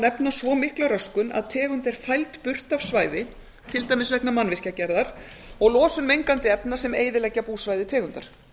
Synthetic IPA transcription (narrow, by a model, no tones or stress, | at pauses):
nɛpnasvɔːmɪhklaɾœskʏna̰ðt̪ʰɛːɣʏnt̪ɛɾ̥fajlt̪pʏr̥t̪av̥svaːjðɪ | t̪ʰɪlt̪ajmɪsvɛhknamanvɪr̥cacɛɾðaɾ̥ | ɔɣlɔːsʏnmejŋkant̪ɪɛpnasɛmḛːjðɪlɛcːapuːsvajðɪt̪ʰɛːɣʏnt̪aɾ̥